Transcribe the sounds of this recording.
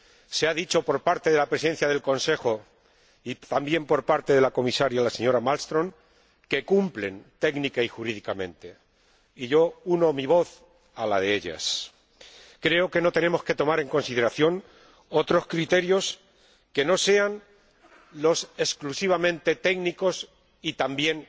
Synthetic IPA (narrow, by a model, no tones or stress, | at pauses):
seaðit͡ʃo̞po̞ɾpaɾt̪e̞ðelapɾe̞sen̟θjað̞e̞lko̞nse̞xo̞ | it̪ambje̞mpo̞ɾpaɾt̪e̞ðe̞lako̞misaɾjalase̞ɲo̞ɾamalst̪ɾõ̞ŋ | ke̞kumplent̪e̞ɡnikaixuɾiðikamẽ̞nt̪e̞ | iʝo̞uno̞miβ̞o̞θ | alað̞eeʎa̰s | kɾe̞oke̞no̞t̪e̞ne̞mo̞ske̞t̪o̞maɾe̞ŋko̞nsið̞e̞ɾaθjo̞ŋ | o̞t̪ɾo̞skɾit̪e̞ɾjo̞s | ke̞no̞se̞an | lo̞se̞sklusiβ̞amẽ̞nt̪e̞t̪e̞ɡniko̞s | it̪ambje̞ŋ